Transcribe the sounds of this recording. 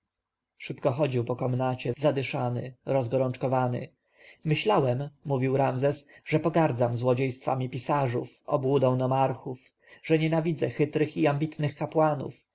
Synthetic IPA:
ʂɘpkɔxɔd͡ʑiwpɔkɔmnat͡ɕɛzad̪ɘʂanɘ̰ɾɔzɡɔɾɔnt͡ʂkɔvanɘ̰ | mɘɕlawɛmːuvʲiwɾamzɛs | ʐɛpɔɡaɾd̪zamzwɔd͡ʑejst̪fa̰mʲipʲisaʐṵfɔ̰bwud̪ɛ̃w̃nɔmaɾxuf | ʐ̥ɛɲɛnavʲid̪zɛxɘt̪ɾɘxiambʲit̪nɘxkapwanṵf

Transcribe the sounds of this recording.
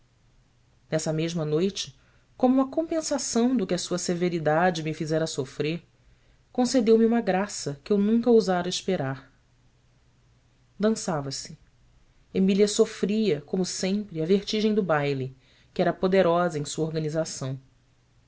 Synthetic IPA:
nɛsɐmeʒmɐnojt͡ʃɪ̥ | kõmʊũmɐkõpẽsasɐ̃w̃d̪ʊkɪɐsuɐseveɾid̪ad͡ʒɪmɪfizɛɾɐsofɾeɾ | kõsed̪ewmɪũmɐɡɾasɐkɪewnũŋkɐozaɾɐiʃpeɾaɾ | d̪ɐ̃savɐsɪ | emiliɐsofɾiɐkõmʊsẽmpɾɪɐveɾt͡ʃiʒẽj̃d̪ʊbajli | kɪɛɾɐpod̪eɾɔzɐẽsuɐoɾɡɐnizasɐ̃w̃

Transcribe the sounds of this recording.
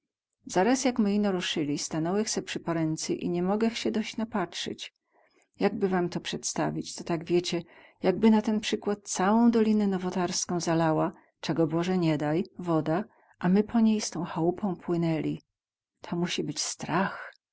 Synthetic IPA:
z̥aɾasjakmɘinɔɾuʂɘlʲist̪anɔwɛxsɛpʂɘpɔɾɛnt̪sɛʔḭɲɛmɔɡɛxɕɛd̪ɔɕt͡ɕnapatʂɘ̰t͡ɕ | jaɡ̚bɘvamt̪ɔpʂɛt̪st̪avʲit͡ɕt̪ɔt̪aɡvʲjɛt͡ɕɛ | jaɡ̚bɘnat̪ɛnpʂɘkwat̪̚t̪sawɔ̃w̃d̪ɔlʲinɛnɔvɔt̪aɾskɔ̃w̃zalawa | t͡ʂɛɡɔbɔʐɛɲɛd̪ajvɔd̪a | ʔamɘpʰɔɲejst̪ɔ̃w̃xawupɔ̃w̃pwɘnɛlʲi | t̪ʰɔmuɕibɘt͡ɕst̪ɾax

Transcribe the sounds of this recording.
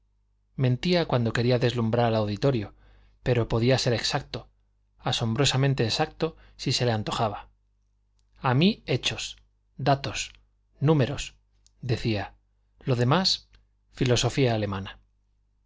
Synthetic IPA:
mẽ̞nt̪iakwand̪o̞ke̞ɾiaðe̞zlumbɾaɾalawðit̪o̞ɾjo̞ | pe̞ɾo̞po̞ðiase̞ɾe̞ksak̚t̪o̞ | aso̞mbɾo̞samẽnt̪e̞ːsak̚t̪o̞ | sise̞le̞ant̪o̞xaβa | amie̞t͡ʃo̞s | d̪at̪o̞s | nũme̞ɾo̞s | d̪e̞θia | lo̞ðe̞mas | filo̞so̞fiaːle̞mãna

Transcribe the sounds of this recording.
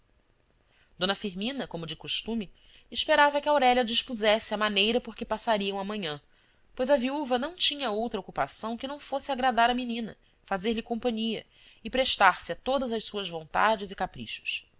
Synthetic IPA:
d̪õnɐfiɾmĩnɐkõmʊd͡ʒɪkuʃt̪ũmɪ | ɪʃpeɾavɐkɪawɾɛʎɐd͡ʒiʃpuzɛsɪɐmanejɾɐpoɾkɪpasaɾiɐ̃w̃ɐmɐ̃ɲɐ̃ | pojzɐviuvɐnɐ̃w̃t͡ʃĩɲɐowt̪ɾɐokupasɐ̃w̃kɪnɐ̃w̃fosɪaɡɾad̪aɾɐminĩnɐ̰ | fazeɾlɪkõmpɐ̃ɲiɐ̰ | ɪpɾeʃt̪aɾsɪat̪od̪ɐzɐʃsuɐzvõnt̪a̰d͡ʒɪzɪkapɾḭʃʊ̥s

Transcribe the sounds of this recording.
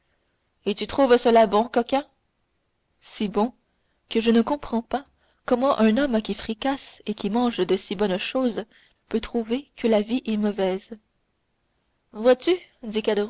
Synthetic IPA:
et̪yt̪χuvsəlabɔ̃kɔkʲɛ̃ | sibɔ̃ | kəʒənəkɔ̃pχɑ̃pa | kɔmɑ̃ʔɛ̃nɔmkʲifχikasekʲimɑ̃ːʒd̪əsibɔnʃoːz | pøt̪χuvekəlaviʔɛmɔvɛːz | vwat̪yd̪ikad̪əʁ

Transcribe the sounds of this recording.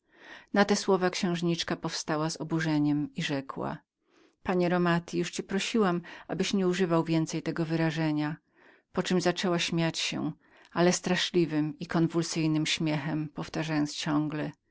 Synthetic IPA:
nat̪ɛswɔvakɕɛ̃w̃ʐɲit͡ʂkapɔfst̪awazɔbuʐɛɲɛmiʐɛkwa̰ | paɲɛɾɔmat̪ʲʰijuʂt͡ɕɛpɾɔɕiwamʔa̰bɘɕɲɛuʐɘvawvʲjɛnt̪sɛjt̪ɛɡɔvɘɾaʐɛɲa | pɔt͡ʂɘmzat͡ʂɛwaɕmʲjat͡ɕɕɛ̰ | alɛst̪ɾaʂlʲivɘmikɔnvulsɘjnɘmɕmʲjɛxɛmpɔft̪aʐajɔnt̪st͡ɕɔ̃ŋɡlɛ

